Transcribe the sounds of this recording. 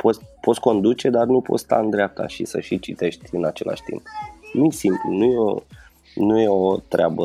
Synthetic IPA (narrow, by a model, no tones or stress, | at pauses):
pʰo̞t̪po̞t̪sko̞nd̪ut͡ʃe̞d̪arnupo̞̰t̪st̪a̰ɨnd̪ɾeap̚t̪a̰ʃisəʃit͡ʃit̪e̞ʃt̪ʲɨnat͡ʃe̞̰lʔa̰ʃʲt̪ḭmpnusimplunujeo̰ | nuje̞o̞t̪ɾeabə